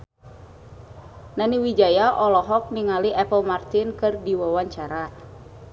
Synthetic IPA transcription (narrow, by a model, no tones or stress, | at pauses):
naniwid͡ʒajaʔɔlɔɦɔk̚niŋaliʔɛpəlmart̪inkɨrdiwawaɲt͡ʃaɾa